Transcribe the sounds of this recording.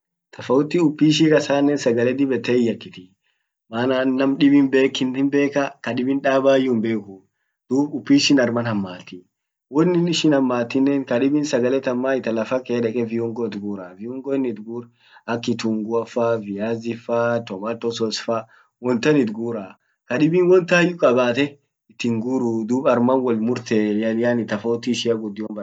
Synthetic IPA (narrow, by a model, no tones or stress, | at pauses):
t̪ʰɐfɐʊt̪ːɪʊpːiːʃ̬ikɐsaːnːɛnsɐɡɐlɛd̪ɪbɛt̪ːɛɪjːɐkːɪt̪ɪ | maːnanːɐmɗɪbɪnbeːkːɪnɪnbe̞ːkɐkɐᶑɪbɪnᶑaːbaːjːʊmbe̞ːkʊ | d̪̥uːbʊpːiːʃɪnɐɾmɐnhɐmːaːt̪ɪ | wɔnːɪnɪʃɪnhɐmːaːt̪ːɪnːɛŋkɐɗɪbɪnsɐɡɐlɛt̪ɐmːaːɪt̪ɐlɐfɐkeːᶑɛkʼɛvɪɔŋɡɔt̪ɡuːɾavɪɔŋɡɔɪnːɪt̪ɡuːɾ | ɐkːɪt̪uːŋɡʊɐfːaːvɪjaːzɪfːat̪ɔmaːt̪ːɔsɔsfaː | wɔnt̪ɐnɪt̪ɡuːɾa | kɐᶑɪbiːnwɔnt̪ɐjːʊkʼɐbaːt̪ɛ | ɪt̪ːɪŋɡuɾʊd̪uːbɐɾmɐnwɔlmʊɾt̪ɛjɐlɪjaːnɪt̪ɐfoːt̪ːiːʃɪɐɡʊd̪ːɪjɔmbɐ